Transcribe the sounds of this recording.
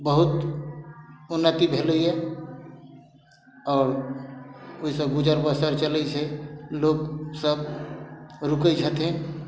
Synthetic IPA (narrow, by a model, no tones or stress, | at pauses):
bəɦʊt̪ | ʊnːət̪ibʱeliɦɛ | ɔːɾ | ʊisəbɡʊd͡ʒəɾbəsəɾt͡ʃəlet͡ʃʰeloːɡsəb | ɾʊked͡ʒʱət̪ɦẽ